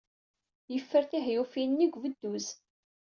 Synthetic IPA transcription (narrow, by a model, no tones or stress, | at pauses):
jəfːəɾθiɦjufinːiɡʷvəd̪ːuz